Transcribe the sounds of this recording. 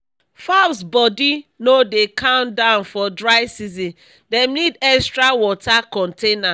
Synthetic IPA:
fasbɔdinodekʰãʊ̃ndãʊnfɔdɹaɪsizĩn | dɛ̃mnidɛkstɹawɔtakɔ̃ntena

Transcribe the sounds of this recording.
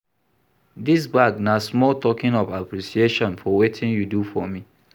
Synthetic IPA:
dis̬baɡnasmɔltɔkɪ̃nɔvapɾisieʃɔ̃nfɔwetʰɪ̃njudufɔmi

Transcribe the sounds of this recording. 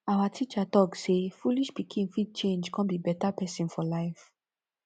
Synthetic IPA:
awatʰit͡ʃatɔksefuliʃpikʰĩŋfid̚t͡ʃẽnd͡ʒkɔ̃nbibɛtapɛsĩnfɔlaɪf

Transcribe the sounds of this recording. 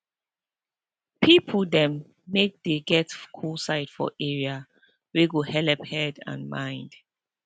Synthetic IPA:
pʰipʰədɛ̃mː | ek̚deɡɛtkʰulsaɪtfɔ̰ʔɛɹia | weɡohɛlɛphɛdã̰nmã̰j̃nd̥

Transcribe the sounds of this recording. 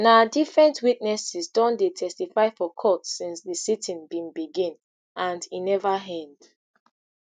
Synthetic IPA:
naʊdifɹɛ̃ntwit̚nɛsisdɔ̃ndetʰɛstifaɪfɔkʰɔtsĩnsðisitʰĩnbĩnbiɡĩn | ʔãndinɛvaɦɛ̃nd̥

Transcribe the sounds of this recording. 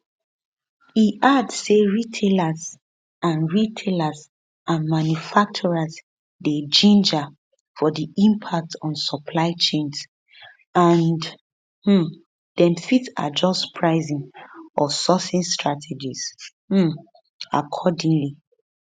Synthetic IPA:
iʔadseɹitʰelaz | ãnɹitʰelaz | ʔamãnjufak̚t͡ʃɔɹaz | ded͡ʒĩnd͡ʒa | fɔdiĩmpʰak̚tʰɔ̃nsɔpʰlaɪt͡ʃẽnz | ãnd | h̩ | dɛ̃mfita̰d͡ʒɔspʰɹaɪzĩnɔsɔsĩnstɹatʰɛd͡ʒiz̥̩ | a̰kʰɔdĩŋli

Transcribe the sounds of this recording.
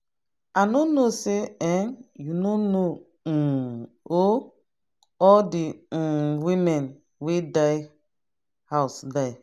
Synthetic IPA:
anonoseɛnjunono | o | ɔldĩ | wimɛ̃n | wedaj | haʊsdaɪ

